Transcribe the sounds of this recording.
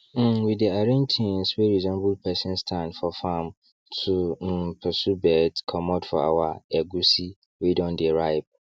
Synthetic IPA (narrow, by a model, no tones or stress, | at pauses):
m̩wideaɾɛ̃ntʰĩn̩sweɾizɔ̃nbulpʰɛsɛ̃nstʰãnfɔfãm | tʰum̩pʰɛsubɛdkʰɔmɔ̃dfɔ̰a̰waɛɡusi | wedɔ̃ndɛɾaɪb̚